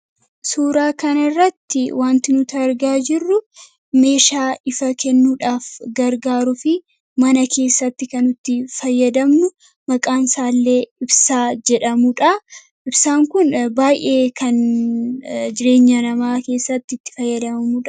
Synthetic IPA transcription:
suːɾaːkɐnɐɪrːɐt̪ːɪwʔaːnt̪ɪnʊt̪ɐɾɡaːd͡ʒɪrːʊ | me̞ːʃaːɪfɐkɛnːuːᶑaːfɡɐɾɡaːɾʊfɪ | mɐnɐke̞ːsːɐt̪ːɪkɐnʊt̪ːɪfɐjːɐd̪ɐmnʊ | mɐkʼaːnsaːlːe̞ːɪbsaːd͡ʒɛᶑɐmuᶑɐ | ʔɪbsaːŋkʊnbaːjʔe̞ːkʰɐn | d͡ʒɪɾe̞ːɲːɐnɐmaːke̞ːsːɐt̪ːɪt̪ːɪ̥fɐjːɐd̪ɐmɐmuᶑɐ

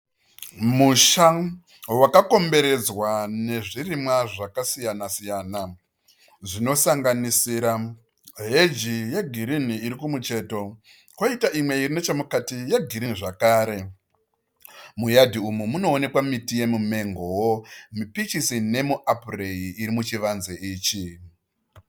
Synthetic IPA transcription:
muʃa | wakako̞mbe̞ɾe̞d͡zwane̞ʐirimwaʐakasijanasijaːna | ʐino̞saŋɡanisiːɾa | ɦed͡ʒijeɡʱiɾiniːɾikumut͡ʃe̞ːto̞ | kwaitaʔimwe̞irino̞t͡ʃemukatijeɡʱiɾiniʐakaːɾe̞ | mujadʱiumumuno̞ːne̞kwamitije̞mume̞ŋɡowomipit͡ʃisine̞muʔapure̞jiːɾimut͡ʃiʋanzeiːt͡ʃi

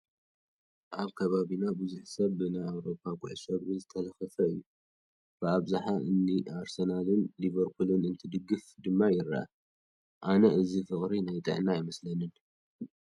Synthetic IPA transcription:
ʔaβkʰɐβaβinabuzuħsɐβːɨnajawɾo̞pʰːakʼṵʕsɐβɡɨzɨt̪ʰɐlɐxɐfɐɨ̰jːu | b̥ɨaβzaħaʔɨnːiaɾsɐnalɨnliβɐɾpʰulɨnɨnt̪ʰɨd̪ɨɡɨfd̪ɨmːajɪɾːa̰ʔa̰ | ʔanɐʔɨzifɨχʼɾinajt̪ʼɨ̰ʕnajɪmɐslɐnɨn

